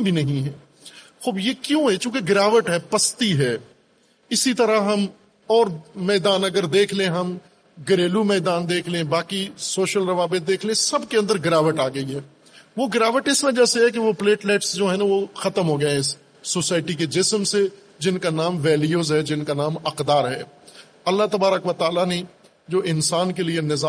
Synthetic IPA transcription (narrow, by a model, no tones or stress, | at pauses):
bʱinɐɦĩɦɛː | xoːbjeːkjũːɦɛt͡ʃjũːkeɡɾaːʋəʈɦɛːpɐst̪iɦɛː | ɪsit̪ɐɾaɦɐm | ɔːɾmɛːd̪aːnɐɡəɾd̪eːkʰlẽẽɦɐm | ɡəɾeːlumɛːd̪aːnd̪eːkʰlẽbaːkisoːʃəlɾɐʋaːbɪt̪̚d̪eːkʰlẽsɐbkeɐ̃nd̪əɾɡɾaːʋəʈaːɡɐiɦɛː | ʋoɡɾaːʋəʈɪsmẽd͡ʒɛːseɦɛk̬eʋopleːʈleːʈsd͡ʒoːɦɛnaʋoxɐt̪əmɦoːɡɐẽɪsː | oːsaːɪʈiked͡ʒɪsmse | d͡ʒɪnkanaːmʋɛːlijoːzɦɛd͡ʒɪnkanaːmɐqd̪aːɾɦɛː | ɐlːat̪ɐbaːɾəkʋət̪aːlane | d͡ʒoːʔɪnsaːnkelienɪzaː